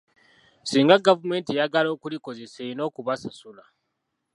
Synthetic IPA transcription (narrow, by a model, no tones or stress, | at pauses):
siːŋɡaɡavume̞ːntijaɡalo̞ːkuliko̞ze̞seino̞ːkuβasasula